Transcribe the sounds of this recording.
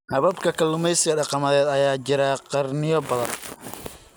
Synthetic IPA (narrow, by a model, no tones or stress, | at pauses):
hɐβɐbkʰɐkʰɐlʊmɛjsɪɣɐɖɑqɑmɐðɛːd̪ɐjaːt͡ʃɪɾaːqɑrnɪjɔbɐðɐ̰n